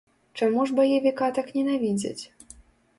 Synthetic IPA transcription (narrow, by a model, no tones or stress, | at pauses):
t͡ʂamuʐbɐjevʲikat̪aknʲɛnavʲid͡zʲḛt͡sʲ